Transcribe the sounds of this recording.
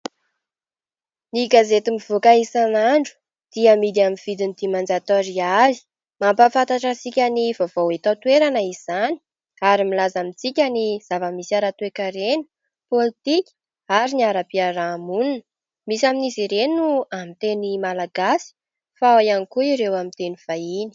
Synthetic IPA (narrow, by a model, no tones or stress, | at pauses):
niɡazet̪imiv̥okaisanaɳɖ͡ʐu̥ | d̪̥iəmid̪iaminv̥id̪inid̪̥imand͡zat̪oɾiali̥ | mampafant̪aʈ͡ʂasikʲanivavowet̪at̪uweɾanəiz̥ani̥ | aɾimilazamit͡sikʲaniz̥avəmisiaɾat̪uekaɾeni | polit̪ikʲ | aɾiniaɾapiaɾamununə | misaminiziɾenuamint̪enimalaɡasi̥ | faojanikuiɾewamint̪eniv̥aini̥